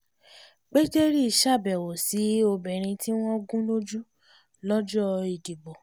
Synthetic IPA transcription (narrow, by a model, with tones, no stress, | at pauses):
k͡pe˦d͡ʒe˦ɾi˦i˨ʃa˦˨bɛ˨wo˨si˨˦o˧bɛ˨ɾ̃ĩ˧ti˦w̃ɔ̃˦ɡũ˦no˦d͡ʒu˦ | lɔ˦d͡ʒɔ˦i˨ɡi˨ɡ͡bɔ˨